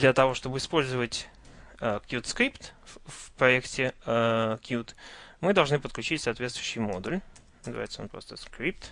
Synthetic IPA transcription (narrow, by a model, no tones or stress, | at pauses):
d̪lʲət̪ɐvo̞ʂt̪o̞bɨɪspo̞lʲzəvətʲ | əkjut̪skɾʲipt̪fpɾɐektʲɪ | kjut̪mɨd̪ɐlˠʐnɨpət̪klʲʉt͡ɕitʲsaːt̪vʲet̪st̪vʊjʉɕːɪjmo̞d̪uʊlʲ | nəzɨva̰jɪt̪səo̞npɾo̞st̪əskɾʲip̚t̪